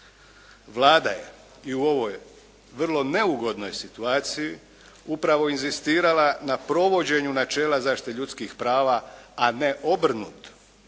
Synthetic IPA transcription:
ʋlˠaːd̪a̰je̞̰ | iuo̞ʋo̞j | ʋr̩lˠo̞ne̞uɡo̞d̪no̞jsit̪uaːt̪siji | upɾaʋo̞inzist̪iːɾalanapɾo̞ʋo̞d͡ʑe̞ɲunat͡ʃe̞ːlazaːʃt̪i̥t̪eʎut̪skixpɾaːʋaːne̞ʔo̞br̩nṵːt̪

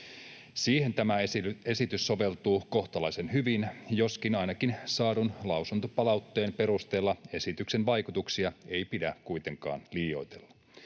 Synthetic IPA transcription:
siːhe̞nt̪æmæe̞sit̪ysːo̞ʋe̞lt̪uːko̞ht̪ɑlɑisenɦyʋinjo̞skinɑjnɑkinsɑːdunlɑusunt̪opɑlɑwt̪ːe̞ːmpe̞ɾust̪eːlːɑe̞sit̪yksenʋɑjkut̪uksiɑejpidækujt̪e̞ŋkɑ̰ːnliːo̞jt̪elːɑ̥

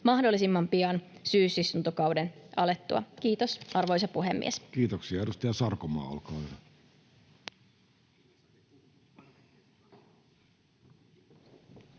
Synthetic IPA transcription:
mɑhdo̞lːisimːɑmpiɑnsyːsist̪unt̪okɑwdenɑle̞t̪ːuɑ̰kiːt̪osʔɑrʋo̞jsɑpuɦemːḭeskiːt̪oksiɑeɾust̪ɑjɑsɑrkomɑ̰ːo̰lkɑː

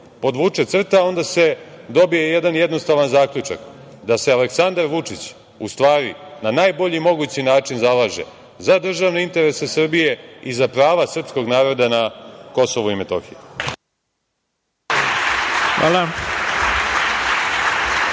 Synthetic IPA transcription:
po̞d̪ʋuːt͡ʂet̪sr̩t̪ao̞nd̪ase̞d̪o̞bijejed̪anjed̪no̞st̪aʋanzaːkʎut͡ʃa̰k | d̪asealeksand̪aɾʋut͡ʂit͡ɕ | ust̪ʋaːɾinanaːjbo̞ʎimo̞ɡut͡ɕinaːt͡ʂinzalaːʒḛ | zad̪r̩ʒaʋne̞int̪e̞ɾese̞sr̩bije̞izapɾaːʋasr̩psko̞ɡnaːɾo̞d̪anako̞so̞ʋoimet̪o̞̰xije | xʋa̰la

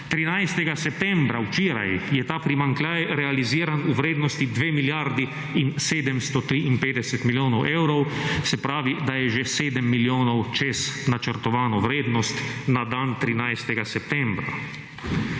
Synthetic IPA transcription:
t̪ɾinajst̪ɛɡasɛpt̪ɛ̃mbɾawt͡ʃeːɾa̰jjɛt̪aːpɾimaŋklʲajɾɛaliziːɾanuʋɾeːd̪nɔst̪id̪ʋeːmiljaɾd̪i | inseːd̪ɛmst̪ɔt̪ɾiinpeːd̪ɛsɛt̪miljoːnɔwʔɛwɾɔwsɛpɾaːʋid̪ajɛʒeseːd̪ɛmːiljoːnɔwt͡ʃesnat͡ʃəɾt̪ɔʋaːnɔwɾeːd̪nɔst̪nad̪aːnt̪ɾinajst̪ɛɡasɛp̚t̪ɛmbɾa̰

